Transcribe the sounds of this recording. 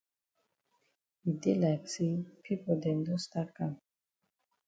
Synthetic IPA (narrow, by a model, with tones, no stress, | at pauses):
i˨de˦la˨ksi˦pʰi˦pɔ˨d̪ɛ˨ndɔ˦st̪a˦kã˨m